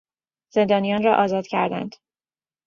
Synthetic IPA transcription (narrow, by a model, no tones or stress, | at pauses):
z̥e̞nd̪ɒːnijɒːnrɒːʔɒːzɒːd̪cʰæɾd̪æ̰nd̪̥